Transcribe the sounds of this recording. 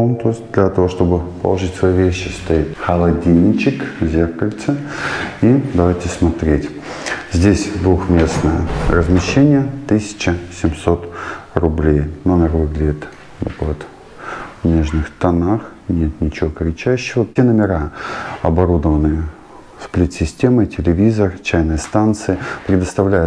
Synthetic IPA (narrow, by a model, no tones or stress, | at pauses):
omt̪o̞ɪsʲt̚ʲd̪lʲat̪ɐvo̞ʂt̪o̞bɨpəlˠɐʐɨtʲsvɐjivʲeɕːɪst̪ɐit̪xəlˠɐdʲinʲːɪt͡ɕɪkzʲe̞rkəlʲt̪sɨid̪ɐvajtʲɪsmɐt̪ɾʲetʲ | zʲdʲesʲd̪vuxmʲe̞snəjərəzmʲɪɕːenʲɪjət̪ɨsʲɪ̥t͡ɕɪsʲɪmso̞t̪rʊblʲejnomʲɪrvɨɡlʲɪdʲɪt̪ | vokˠət̪ | vnʲe̞ʐnɨxt̪ɐnaxnʲe̞t̪nʲɪt͡ɕɪvokɾʲɪt͡ɕæɕːɪvəenəmʲɪɾaɐbɐɾud̪əvənɨjə | splʲɪt̪sʲɪsʲtʲe̞mətʲɪlʲɪvʲizərt͡ɕæjnɨjəst̪ant̪sɨɪpɾʲɪd̪əst̪ɐvlʲæjʊ